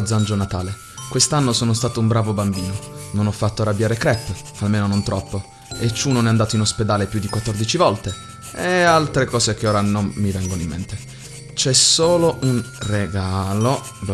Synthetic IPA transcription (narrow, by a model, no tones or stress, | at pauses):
d̪zand͡ʒonat̪aːle | kwest̪anːosoːnost̪aːt̪oumbɾaːvobambiːnononɔfːat̪ːoarːabːjaːɾekɾɛpː | almeːnonont̪ɾɔpːo | et͡ʃːunonɛand̪aːt̪oinosped̪aːlepjud̪ːikwat̪ːɔrd̪it͡ʃivɔlt̪e | ealt̪ɾekɔːsek̟eoːɾanomːivɛŋɡonoimːḛnt̪e | t͡ʃɛsoːloʔunreɡaːlo